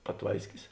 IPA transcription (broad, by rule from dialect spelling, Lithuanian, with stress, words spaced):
pɐˈtʋɐɪsʲkʲɪs